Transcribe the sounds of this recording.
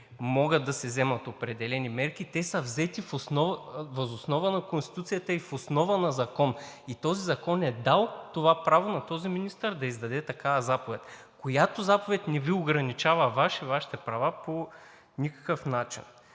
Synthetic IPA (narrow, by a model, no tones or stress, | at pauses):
mɔɡəd̪̚d̪ɐsɛzɛmɐt̪opɾɛd̪ɛlɛnimɛɾkit̪ɛsɐvzɛt̪ifosnɔvvɐzosnɔvənɐkonst̪it̪ut̪sijət̪əifosnɔvənɐzɐkɔn | it̪ɔzizɐkɔnɛd̪alˠt̪ovapɾavonɐt̪ɔziminist̪əɾd̪ɐizd̪ɐd̪ɛt̪ɐkavɐzapovɛt̪ʲ | kojat̪ozapovɛt̪nɛvioɡɾɐnit͡ʃavəvaʃivaʃi̥t̪ɛpɾɐvapo | nʲikə̥kəfnat͡ʃḭn